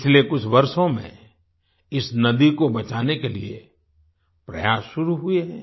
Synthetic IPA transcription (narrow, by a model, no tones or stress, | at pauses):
t͡ʃʰlekʊt͡ʃʰʋɐɾʃõmḛ̃ | ɪsnɐd̪ikobɐt͡ʃaːnekeliḛ | pɾɐ̰jaːsʃʊɾuɦʊeɦɛ̰̃ː